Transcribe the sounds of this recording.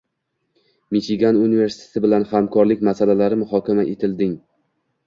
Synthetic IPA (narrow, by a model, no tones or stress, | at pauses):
mit͡ʃɪɡʲanunive̞ɾsɪ̥t̪ʰet̪ʰɪbɪlanhamkʰɒɾlɪkʲmasalalaɾɪmʊɦɒkʲamaʔet̪ʰɪld̪ɪŋ